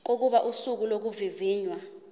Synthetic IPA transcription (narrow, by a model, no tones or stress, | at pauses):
k̬ok̬uɓaʔusuk̬ulok̬uviviːɲwa